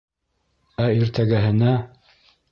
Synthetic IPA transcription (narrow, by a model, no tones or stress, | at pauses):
æiɾt̪æɡæɦɘ̆næ